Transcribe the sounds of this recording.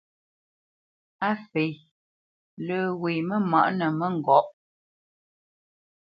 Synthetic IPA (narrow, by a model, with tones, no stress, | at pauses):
a˦fe˨j | lə˨we˨mə˦ma̰˨ʔnə˨mə˦ŋ̩˨ɡɔ˨˦˨ʔ